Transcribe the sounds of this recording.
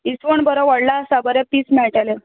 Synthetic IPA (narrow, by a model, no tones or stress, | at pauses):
isʋəɳbəɾəʋəɽlasabəɾɛpiːsmɛɭʈale